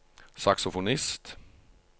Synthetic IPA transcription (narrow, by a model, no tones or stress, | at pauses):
saksʊfʊnɪst̪